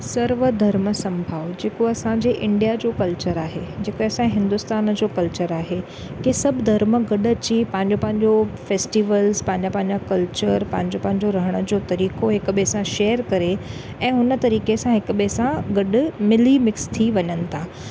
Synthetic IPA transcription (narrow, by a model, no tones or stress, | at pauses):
sɐɾʋəd̪ʱɐɾməsɐ̃mbʱaːʋd͡ʑeːkoɐsãɲd͡ʑeʔɪ̃ɳɖijad͡ʑoːkɐlt͡ɕəɾaːɦed͡ʑeːkoɐsãẽɦɪ̃nd̪ʊst̪aːnd͡ʑoːkɐlt͡ɕəɾaːɦe | kesɐbʱd̪ʱɐɾmɡɐɗɐt͡ɕipɐ̃ɦɪ̃ɲd͡ʑopɐ̃ɦɪ̃ɲd͡ʑofeːsʈiːʋəlzpɐ̃ɦɪ̃ɲd͡ʑapɐ̃ɦɪ̃ɲd͡ʑakɐlt͡ɕəɾpɐ̃ɦɪ̃ɲd͡ʑopɐ̃ɦɪ̃ɲd͡ʑoɾɐɦəɽ̃ə̆d͡ʑoːt̪ɐɾiːkoɦɪkɓesãʃeːəɾkɐɾe | ɛ̃ːɦʊnə̆t̪ɐɾiːkesãɦɪkɓesãɡɐɗʊmɪlimɪkst̪ʰiʋɐɲənɪ̆t̪ʰaː